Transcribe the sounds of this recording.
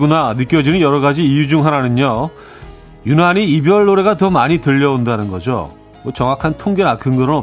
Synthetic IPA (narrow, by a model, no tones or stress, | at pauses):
ɡunanɯk͈jʌd͡ʑinɯnjʌɾʌɡad͡ʑiːjud͡ʑuŋɦananɯɲo | junɦaɲiibjʌɭːoɾe̞ɡatʌmaɲitɯʎːʌondanɯnɡʌd͡ʑo̰ | mot͡ɕʌŋakʰantʰoŋɡenakɯŋɡʌɾɯnʌ